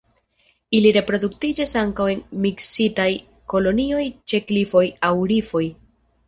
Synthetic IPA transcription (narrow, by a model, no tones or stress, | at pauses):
iliɾe̞pɾo̞duktid͡ʒasaŋkawe̞nmiksitaj | ko̞lo̞nio̞jt͡ʃe̞klifo̞jawɾifo̞j